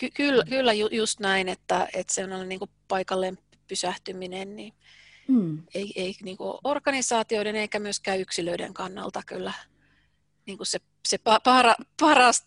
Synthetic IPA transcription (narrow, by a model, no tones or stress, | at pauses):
kykylːkylːæjujust̪næinet̪ːæet̪seonːonːeniːŋkupɑikɑlːem | pysæht̪yminenni | eieiniːŋkuo̰ʔorkɑnisɑːt̪ioieneŋkæmyøskæːyksiløidḛŋkɑnːɑ̰lt̪ɑkylːæ | niːŋkusse | sepɑpɑrɑpɑrɑst̪